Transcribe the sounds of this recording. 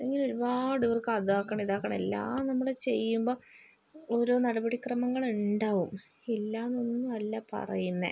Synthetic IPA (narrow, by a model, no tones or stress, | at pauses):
ɐlːeŋɡiloɾubaːɽuʋɐrkɨɐðaːkːɐɳiðaːkːɐɳelːa̰ːnɐmːuɭet͡ɕe̞̰jːumbo̞ː | oɾo̞ːnɐɽɐbɐɽikrɐmɐŋːɐɭuɳɖaːʋum | ilːaːnonːuɐlːapɐ̰rɐ̰junːḛ